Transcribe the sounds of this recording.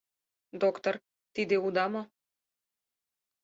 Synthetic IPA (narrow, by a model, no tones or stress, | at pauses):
d̪okt̪or | t̪id̪eud̪ɑmo